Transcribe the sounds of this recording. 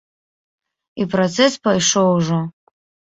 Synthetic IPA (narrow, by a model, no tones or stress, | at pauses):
iprot͡sʰɛspajʂowuʐo